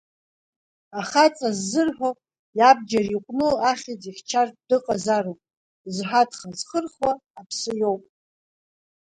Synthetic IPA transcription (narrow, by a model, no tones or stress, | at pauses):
aχat͡sʼazːɨrħᶣo | jab̚d͡ʒariqʷʼnɨaχʲid͡ziχʲt͡ʃʰardɨqʼazarowpʼ | zħatʰχazχərχwaːpʰsɨjo̞wpʼ